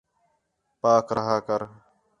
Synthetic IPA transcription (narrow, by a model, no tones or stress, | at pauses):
paːkɾəɦaːkəɾ